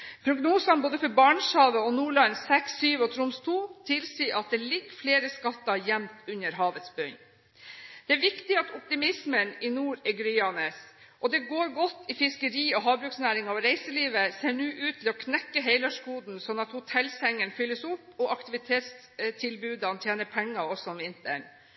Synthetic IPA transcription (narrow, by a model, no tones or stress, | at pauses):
pʰɾʊɡnuːsɑnboːd̪əfɔɾbɑːɳshɑːʋəɔnuːɭɑnsɛksːyːʋɔt̪ʰɾʊmst̪ʰuːt̪ʰɪlsiːʔɑt̪̚d̪ɛlɪɡːfleːɾəskɑt̪ːɑjɛmt̪ʉnəɾɦɑːʋət̪sbœɲ | d̪̥ɛæɾʋɪkt̪ɪɑt̪ʊp̚t̪ɪmɪsmənɪnuːɾɛɡɾyːɑneːs | ʔɔd̪ɛɡoːɾɡɔt̪ːɪfɪskəɾiːɔɦɑːbɾʉːksnæːɾɪŋɑɔɾeɪsəliːʋəseːɳʉːʔʉːt̪ʰːɪlɔkʰnɛkːəɦeɪlɑʂkuːd̪n̩sɔnɑt̪hʊt̪ʰɛlsɛŋənfʏlːəsʊpːɔʔɑkt̪ɪʋɪt̪ʰeːt̪s | t̪ʰɪlbʉːd̪əɑnt̪ʰjeːnəpʰɛŋːɑɔsɔɔmɪnt̪ə̰ɳ